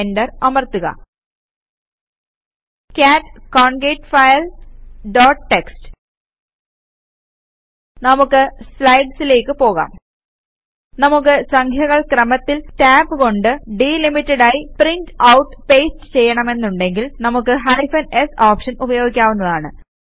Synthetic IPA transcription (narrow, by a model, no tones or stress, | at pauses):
enɖɐrɐmɐrt̪uɣɐ̰ | kʲaːtːkoːɳɡeʈfɐjɐlɖoːʈʈːekstɨ̥ | nɐmukːɨslɐjɖsile̞ːkːɨpo̞ːɣa̰ːm | nɐmukːɨsɐŋkʰjɐɣɐɭkrɐmɐt̪ːiltaːbɨko̞ɳɖɨɖilimitːɐɽaːjiprintɐwuʈːpeːstɨ̥t͡ɕe̞jːɐɳɐme̞nːuɳɖe̞ŋɡilnɐmukːɨɦɐɾifɐnesoːpʂɐnubɐjo̞ːɡikʲːaːʋunːɐðaːɳɨ̰